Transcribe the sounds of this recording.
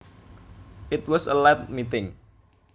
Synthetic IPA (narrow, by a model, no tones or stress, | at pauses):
ʔɪt̪̚wɔsəlɛt̪̚mit̪ɪŋ